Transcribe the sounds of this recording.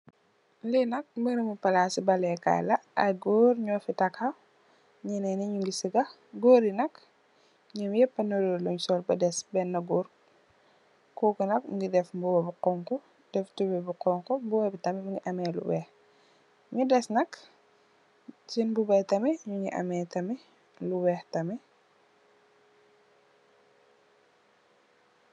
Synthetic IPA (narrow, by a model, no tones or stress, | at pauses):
linɐk̚mbənɐmupɐlasibɐlɛka̰lɐɐ̰ɡɔːɾɲɔːfitɐkhɐ | ɲɛnɛniɲuŋɡisiɡɐ | ɡoːɾinɐk | ɲɐmjɛpːɐnɐɾoɾluɲusɔːlbɐdɛsbɛnːɐɡɔːɾ | kɔkunɐk̚ŋɡidɛfmbuwɐbuqɔŋkɔ | d̥ɛftubɛbuqɔŋkɔmbuwɐbitɐmɛmuŋɡiʔɐmɛlṵwɛx | ɲudɛsnɐk | t͡ʃinbubɐtɐmɛɲuŋɡiʔɐ̰mɛːtɐmɛ | luwɛːxtɐmɛ